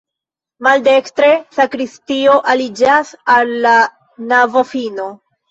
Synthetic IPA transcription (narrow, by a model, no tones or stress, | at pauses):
maldekstɾe̞sakɾistio̞ʔalid͡ʒasalːa | navo̞fino̞